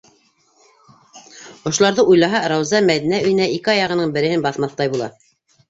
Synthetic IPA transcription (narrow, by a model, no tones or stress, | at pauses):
ŏʃŏlˠɑɾðɤʔujlˠɑɦɑɾɑwzɑmæðinæɵ̆jɘ̆næikɘɑjɑʁɤ̆nɤɴbɘ̆ɾɘ̆hɘnbɑθmɑθt̪ɑjbulˠɑ̰